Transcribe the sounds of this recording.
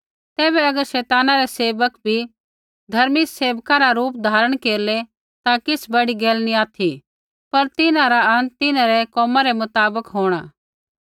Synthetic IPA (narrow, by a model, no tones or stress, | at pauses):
t̪ɛːbɛɐɡəɾʃɛːt̪aːnaɾɛseːʋəkbʱi | d̪ʱɐɾmiseːʋkaɾaɾuːp̚d̪ʱaːɾəɽ̃keːɾle | t̪akɪsbɐɽiɡeːlnĩaːt̪ʰi | pɐɾt̪ɪnãɾaɐ̃nt̪ːɪnãɾɛkɔːmãɾɛmʊt̪aːbəkɦoːɽ̃aː